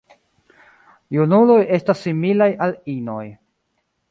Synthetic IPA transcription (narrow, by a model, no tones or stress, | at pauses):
junulo̞je̞stasːimilajalino̞̰j